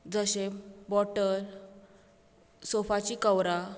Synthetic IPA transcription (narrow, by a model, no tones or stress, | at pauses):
d͡zəɕebɔʈəl | sofat͡ɕiːkəwɾa